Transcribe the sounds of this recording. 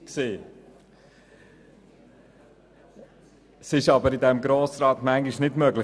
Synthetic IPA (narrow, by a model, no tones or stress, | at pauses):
kseː | sɪʃɑbəɾɪdɛmɡɾoːsɾɑːtmæŋɡiʃnɪdmœɡlɪ